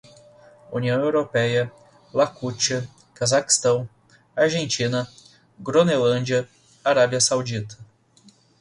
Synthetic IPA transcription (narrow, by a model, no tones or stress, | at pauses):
ṵniɐ̃w̃ewɾopɛjɐ | lakut͡ʃiɐ | kazaki̥st̪ɐ̃w̃ | aɾʒẽnt͡ʃĩnɐ | ɡɾonelɐ̃d͡ʒiɐ | aɾabiɐsawd͡ʒit̪ɐ̥